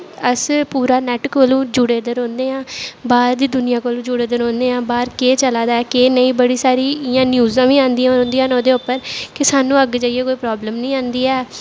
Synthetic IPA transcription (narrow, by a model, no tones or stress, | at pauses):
əspuːɾaːnɛːʈkoːlũːd͡ʒʊɽeːd̪əɾõːnd̪eːãːbaːɾd̪iːd̪ʊnɪjãːkoːlũːd͡ʒʊɽeːd̪əɾõːnd̪eːãːbaːɾkeːt͡ʃəlaːd̪aːɛːkeːnəĩːbəɽiːsaːɾiːɪjãːnjuːzãːʋiːãːnd̪iːãːõːnd̪iãːnoːd̪eːʊpːəɾkɪsaːnũːəɡd͡ʒaːieːkoːiːpɾɔːbləmnəĩːãːnd̪iːɛː